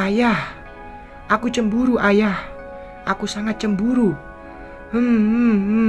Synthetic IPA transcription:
ajah | ʔakut͡ʃəmbuɾuʔajah | ʔakusaŋat̪̚t͡ʃəmbuɾu | həmm

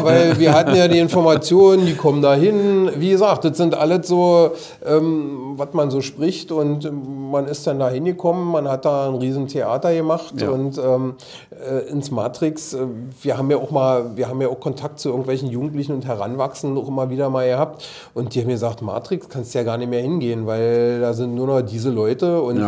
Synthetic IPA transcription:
vaɪlviːɐɦatn̩jaːdiːɪnfɔɐmat͡sjoːnəndiːkʰɔməndaːɦɪnviːɡəzaːk̚t̚d̥ɐtz̥ɪntʔalətz̥oː | ʔɛːmvatmanzoːʃpʁ̥ɪçtʊntmanɪst̚d̥andaːɦɪnɡəkʰɔmənmanhat̚d̥aːnʁiːzn̩tʰeʔa̰ːtɐjəmaχtʔʊntʔɛːm | ʔɛːʔɪnsmaːtʁ̥ɪksɛviːɐɦaːbm̩jaːʊxmaːlviːɐɦaːmjaʊxkʰɔntʰak̚tt͡suɪɐɡŋ̩tvɛlçn̩juːɡŋ̩tlɪçn̩ʊntɦɛʁ̞a̰nvaksn̩dən̩ʊxʔɪmɐviːdɐmaːlɡəhaːp̚t | ʔʊnt̚d̥iːhaːbm̩ɡəzaːktma̰ːtʁ̥ɪkskʰanstujaːɡaːɐnɪçmeːɐhɪnɡeːənvaɪldaːzɪntnuːɐnɔχd̥iːzəlɔʏtəʊn

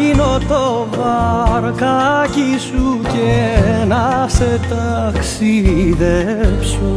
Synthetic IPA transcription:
inot̪ovɐɾkɐcisucenɐset̪ɐksiðefsu

